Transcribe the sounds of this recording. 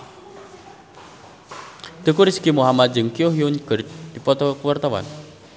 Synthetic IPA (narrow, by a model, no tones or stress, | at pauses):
d̪̥ə̤kuɾiskimuɦamat̪̚d͡ʒəŋkioɦiunkərt̚d̪̥ipɔt̪ɔkəwart̪awa̰n